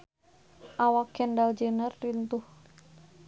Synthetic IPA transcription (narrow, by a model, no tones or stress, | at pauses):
ʔawakɛndald͡ʒənərːint̪uh